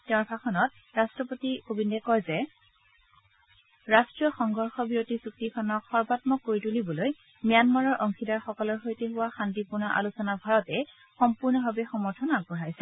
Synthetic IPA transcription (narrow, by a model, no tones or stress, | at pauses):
tɛʊ̃bʱakʰɔnɔt̚ | ɹastɹɔpotikobindɛkɔjzɛ | ɹastɹijɔxɔŋɡʱɔɹxɔbiɹotizuk̚tikʰɔnɔkxɔɹbatmɔkːoɹitulibɔloj | mijanmaɹɔɹʔɔŋxidaɹxɔkɔlɔɹxojteɦʊwaxantipuɹnɔʔa̰lusɔnabʱaɹɔtɛ | xɔmpuɹnɔbʱabɛxɔmɔɹtʰɔnaɡ̚bɔɹajsɛ